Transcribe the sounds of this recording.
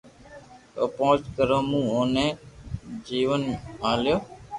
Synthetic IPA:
ə̰põːt͡ʃkəɾõːmũːoːnẽː | d͡ʒiːʋənaːljoː

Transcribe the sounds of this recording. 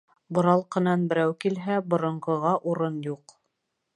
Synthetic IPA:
bŏɾɑlˠqɤ̆nɑnbɘ̆ɾæwkilɦæbŏɾɤ̆ɴɢɤ̆ʁɑʔuɾɤnjuq

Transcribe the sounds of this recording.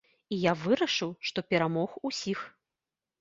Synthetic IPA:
ijavɨɾɐʂɨwʂt̪ɔpʲɛɾamɔxusʲix

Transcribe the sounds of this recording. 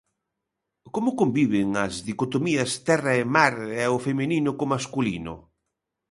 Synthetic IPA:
komʊkombiβɪŋɐzðikot̪omiɐst̪ɛrɐemaɾɛofemeninʊkomaskulḭnʊ̰

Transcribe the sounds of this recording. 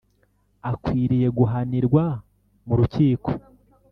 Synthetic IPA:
akwiːɾije̞ɡuɦaniɾɡwa | muɾuciːko̥

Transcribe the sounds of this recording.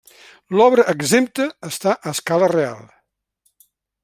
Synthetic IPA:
lɔβɾəʔəɡzemt̪əːst̪aʔəskalərea̰lˠ

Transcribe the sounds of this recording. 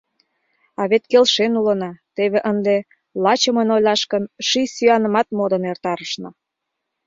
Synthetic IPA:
ɑβet̪kelʃenulənɑt̪eβeʔənd̪e | lɑt͡ɕəmənojlɑʃkənʃisyɑnə̆mɑt̪mod̪ənert̪ɑɾəʃnɤ̆

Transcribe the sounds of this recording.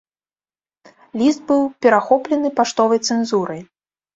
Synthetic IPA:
lʲisd̪̚bɨwpʲɛɾaxɔplʲɛnɨpaʂt̪ɔvɐjt̪sɛnzuɾɐj

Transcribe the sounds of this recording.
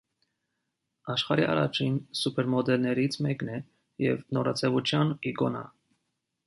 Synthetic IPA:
ɑʃχɑɾiʔɑ̰ɾɑ̰t͡ʃʰinsupʰɛɾmɔd̪ɛlnɛɾit͡sʰmɛknɛ | jɛ̰vnɔɾɑt͡sʰɛvut͡ʃʰjɑniɡɔnɑ̰

